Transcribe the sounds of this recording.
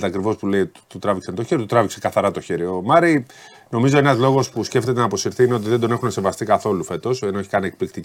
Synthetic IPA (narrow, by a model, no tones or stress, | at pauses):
t̪eɐkɾivo̞spule̞it̪ut̪ɾɐviksɐnt̪o̞çeɾiot̪ot̪ɾɐviksekɐθɐɾɐt̪o̞çeɾiomɐɾi | no̞mizo̞enɐzlo̞ɣo̞spusce̞ft̪e̞t̪enɐpo̞siɾθiineo̞t̪iðed̪o̞ne̞xunese̞vɐst̪ikɐθo̞lufe̞t̪o̞senoeçi̥kɐniek̚plikt̪i